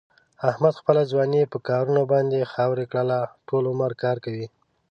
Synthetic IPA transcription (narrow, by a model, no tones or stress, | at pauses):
ahmad̪xpəlazwɑnipəkɑɾunobɑnd̪exawɾekɽəlaʈolʊməɾkɑɾkawi